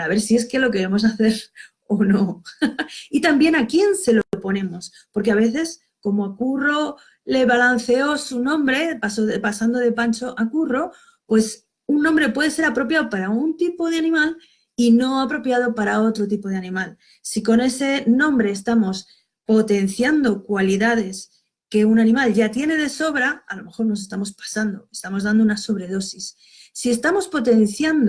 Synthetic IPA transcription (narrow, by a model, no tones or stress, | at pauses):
pɾaβe̞ɾsie̞ske̞lo̞k̬e̞ɾe̞mo̞s̬aθe̞ɾ | ono̞ | it̪ambje̞nakje̞nse̞lopo̞nẽ̞mo̞s | po̞ɾke̞aβ̞e̞θe̞s | ko̞moakuro̞ | le̞βalan̟θe̞o̞sunõ̞mbɾe̞pasopasand̪oð̞e̞pant͡ʃo̞ʔakuro̞ | pwe̞s | unːõmbɾe̞pwe̞ð̞e̞se̞ɾapɾo̞pjaopaɾaunt̪ipo̞ð̞eanĩmal | ino̞apɾo̞pjað̞o̞paɾao̞t̪ɾo̞t̪̬ipo̞ð̞eanĩmal | siko̞ne̞se̞nõ̞mbɾe̞ːst̪amo̞s | po̞t̪e̞n̟θjand̪o̞kwaliðað̞e̞s | ke̞unanĩmalʝat̪je̞ne̞ð̞e̞so̞βɾaalo̞me̞xo̞ɾnos̬e̞st̪amo̞spḁsand̪o̞e̞st̪amo̞zðand̪unaso̞β̞ɾe̞ð̞o̞sisː | ie̞st̪amo̞spo̞t̪e̞n̟θjand̪o